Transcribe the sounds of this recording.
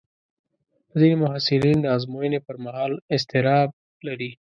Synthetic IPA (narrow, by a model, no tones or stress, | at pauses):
pəzinemʊɦasɪlind̪əɑzmojənepəɾmaɦɑlɪs̬t̪ɪɾɑb̚ | laɾi